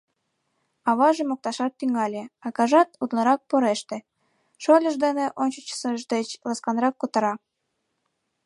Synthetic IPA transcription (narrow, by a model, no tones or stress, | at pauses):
ɑβɑʒemok̚t̪ɑʃɑt̪ːyŋɑlʲeɑkɑʒɑt̪ut̪lɤ̆ɾɑk̚poɾeʃt̪ĕ | ʃolʲə̆ʒd̪eneʔonʲt͡ɕə̆t͡ɕə̥səʒd̪et͡ɕlɑskɑnrɑkːot̪ɤ̆ɾɑ